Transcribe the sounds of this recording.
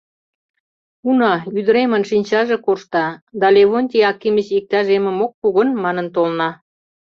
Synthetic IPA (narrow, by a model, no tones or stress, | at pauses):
unɑyd̪əɾemənʃinʲt͡ɕɑʒekoʃt̪ɑd̪ɑleβont̪ʲeɑkːimət͡ɕik̚t̪æʒemə̆mok̚puɣə̆nmɑnə̆nt̪olnɑ